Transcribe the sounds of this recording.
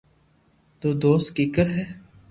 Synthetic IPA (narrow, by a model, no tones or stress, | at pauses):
t̪oːd̪oːst̪kɪkəɾɦɛː